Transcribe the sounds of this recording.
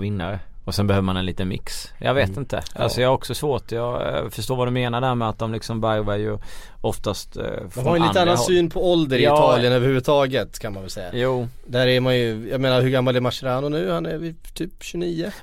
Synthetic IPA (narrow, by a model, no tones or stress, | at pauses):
vɪnːaɾəɔsɛnbɛhøːvəmanɛnliːt̪ənmɪ̰ks | jɑ̰ɡveːt̪ɪnt̪ʰə̰ʔa̰lsɔjɑhaɾɔksɔsvoːʈjɑːfœʂ̬toːɾvad̪ɔmːeːnaɖæːɾmɛat̪̚d̪ɔmlɪksɔmbæɾvaɾjɵ | ɔft̪ast̪fd̪ɔmhɔaɾjɛninanːansyːnpʰɔɔld̪əɾɪɪːɑːlɪənøːvəɾhʉ̟vət̪ʰɑːɡət̪kʰanmanvɛlsɛjːa̰juː | d̪æɾɛɾmanjɵjɑːɡmeːnaɾɦɵɾɡamːalɛɾmaʂəɾaːnʊnʉ̟ːhanæɾvɪt̪ʰyːpɕɵniːə